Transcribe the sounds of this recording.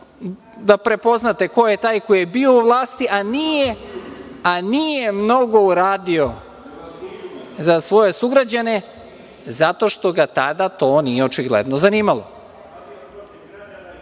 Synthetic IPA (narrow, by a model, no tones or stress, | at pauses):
d̪apɾe̞po̞znat̪e̞ko̞jet̪aːjkojebio̞uʋlˠaːst̪iʔanije | anije̞mno̞ɡo̞uɾaːd̪io̞ | zasʋo̞je̞suɡɾad͡ʑane̞ | zat̪o̞ʃt̪o̞ɡat̪ad̪at̪o̞nije̞ot͡ʃiɡlḛd̪nozaniːmalo̞̰